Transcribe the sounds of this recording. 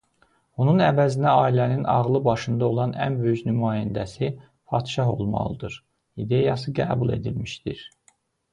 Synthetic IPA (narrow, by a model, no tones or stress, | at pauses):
onunævæzind̪æɑːilæninɑ̰ʁlˠɯbɑʃɯnd̪ɑo̞lˠɑnænbøjyçnymɑːjænd̪æsi | fʰɑt̪ʃɑɦo̞̰lˠmɑ̰lˠɯd̪ɯɾ | id̪e̞jɑs̬ɯɡæ̰ːbulˠe̞̰d̪ilmiʃd̪iɾ